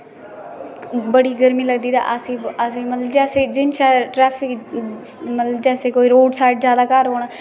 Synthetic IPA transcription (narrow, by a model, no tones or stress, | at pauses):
bəɽiːɡəɾmiːləɡd̪iːd̪a̰ːʔəsĩːəsĩːmət̪ləbd͡ʒɛːseːd͡ʒɪnʃaːʈɾɛːpʰɪk | mət̪ləbd͡ʒɛːseːkoːiːɾoːɖsaːɪʈzjaːd̪aːkəɾɦoːɳaː